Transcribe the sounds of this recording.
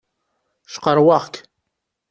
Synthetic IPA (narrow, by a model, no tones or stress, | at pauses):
ʃqəɾwɑʁk